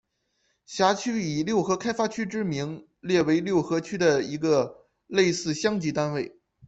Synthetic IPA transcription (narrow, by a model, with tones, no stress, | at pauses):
ɕja˧˥t͡ɕʰy˥i˨˩ljo˥˩ʊxɤ˧˥kʰa˥ɪfa˥t͡ɕʰy˥ʈ͡ʂɻ̩˥mi˧˥ŋ | ljɛ˥˩we˧˥ɪljo˥˩ʊxɤ˧˥t͡ɕʰy˥d̪ə˨i˧˥ɡə˧ | le˥˧ɪsɹ̩˥˧ɕjɑ˥ŋt͡ɕi˧˥t̪a˥nwe˥˩ɪ